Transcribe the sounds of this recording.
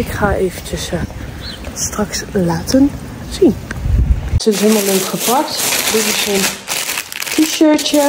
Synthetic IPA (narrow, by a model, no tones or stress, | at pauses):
ɪkχaːʔejvənt͡ʃəs | strɑkslaːtən | z̥in | səzɪmələntχəpɑk̚tdɪtɪsən | kiʃəɹt͡ʃə